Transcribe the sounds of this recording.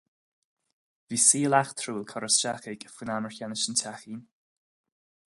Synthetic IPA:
viːsiːəlaxt̪ʰɾuːlkʰɔɹəsʃaxɪɡəfunaməɹçanɪʃəntʰaxiːn

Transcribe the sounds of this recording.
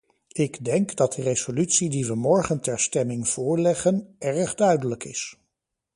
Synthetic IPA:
ɪɡdɛŋkdɑt̚dərez̥olytsidiʋəmɔɹχəntɛɹstɛmɪŋv̥ʊːɹlɛχənɛɹəχdœɥdələkɪs

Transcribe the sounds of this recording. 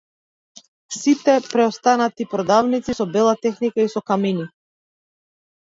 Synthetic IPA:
sit̪ɛpɾɛɔst̪anat̪ipɾɔd̪avnit̪sisɔbɛlˠat̪ɛxnikaisɔkamini

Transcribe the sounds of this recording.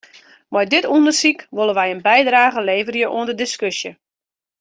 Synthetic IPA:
mɔjdɪtundərsikʋolˠəʋɛjənbɛjdraːɣəleːvərjəʔo̰əndədɪskøsjə

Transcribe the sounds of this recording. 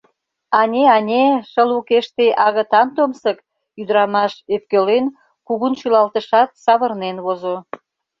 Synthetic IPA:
ɑnʲeɑnʲeʃəlukeʃt̪eʔɑɣə̆t̪ɑnt̪omsək | yd̪əɾɑmɑʃøp̚kølen | kuɣunʃylɑlt̪əʃɑt̪̚sɑβə̆rnenβozo

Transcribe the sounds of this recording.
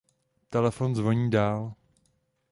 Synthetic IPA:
t̪ɛlɛfo̞nzvoɲiːdaːl

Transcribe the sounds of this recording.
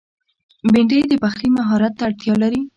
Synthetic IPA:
beɳɖəjd̪əbaxɾimaɦɑɾat̪ːaːɽt̪jɑlaɾi

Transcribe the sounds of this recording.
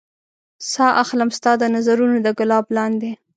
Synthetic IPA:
sɑʔaxlamst̪ɑd̪ənazaɾunod̪əɡalɑblɑnd̪e

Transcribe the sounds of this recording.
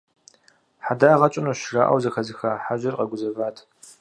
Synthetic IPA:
ħadaːʁɐt͡ʃʼɪnuʃra̰ʔɐ̰wzɐxɐzɨxaːħaʑɪrqɐɡʷʊzɐvaːtʰ

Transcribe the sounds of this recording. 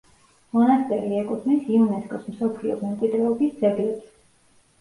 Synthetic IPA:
mɔnast̪ʼɛɾiɛkʼuχʰnisiunɛskʼɔsmsɔpʰliɔ̰mɛmt̪ʼid̪ɾɛɔbisd̪zɛɡlɛps

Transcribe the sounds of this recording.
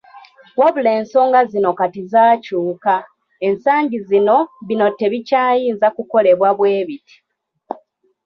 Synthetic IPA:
waβuleːnso̞ːŋɡazino̞katizaːcuːka | e̞nsaːɲɟizino̞βino̞tːe̞βicaːjiːnzakuko̞le̞βwaβwe̞ːβiti̥

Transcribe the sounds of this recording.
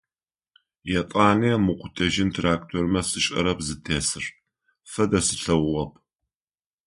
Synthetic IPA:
jɛtʼɑːniɐmʊqʷʊtʰɐʒɪntʰraːk̚tʰoːrmɐsʼɨɕʼɐ̰ɾɐpzɨtʰeːsɨr | fɐdɐsɨ̥ɬɐwʊʁɐp̚ʰ

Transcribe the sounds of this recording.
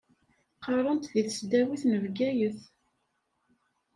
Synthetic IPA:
qɑɾˤənt̪ðiθəsd̪æwiθnəvɡæjəθ

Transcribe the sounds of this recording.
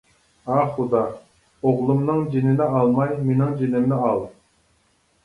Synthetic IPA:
ɑχud̪ɑ | oʁlˠumnɨŋd͡ʒenɪnɪɑlˠmɑjmenɪŋd͡ʒinɪmnɪɑlˠ

